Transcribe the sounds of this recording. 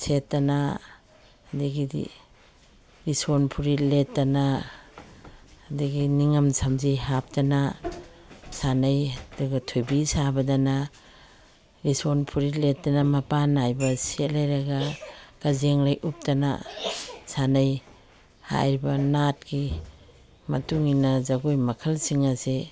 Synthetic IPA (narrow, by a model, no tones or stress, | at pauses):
setːanaː | diɡidḭ | ɾisonpʰuɾiletːana | diɡiniŋamsʰamziɦap̚tana | sanajduɡatʰujbisabadana | ɾisonpʰuɾiletːanamɐpanajbɐsetlajɾaɡaɡ̥azeŋlajʔup̚tana̰ | sanaj | ha̰jɾibɐnat̚ɡi | mɐtuŋinɐzaɡujmɐkʰɐlsiŋase